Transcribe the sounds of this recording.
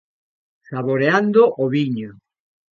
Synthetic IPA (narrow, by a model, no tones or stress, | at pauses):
saβoɾeand̪oʔoβiɲo